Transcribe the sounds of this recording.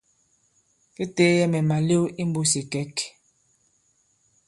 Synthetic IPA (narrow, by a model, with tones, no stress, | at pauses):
ke˦te˨˦jɛ˦mɛ˨ma˨le˦wi˦m˦bo˦si˨kɛ˦k